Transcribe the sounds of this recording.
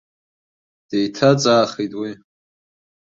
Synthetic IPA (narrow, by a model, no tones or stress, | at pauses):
d̥ejtʰat͡sʼaːχitʼwi